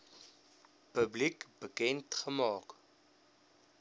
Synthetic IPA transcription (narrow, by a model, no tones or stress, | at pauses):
pəblikbəkɛntχəmɑːk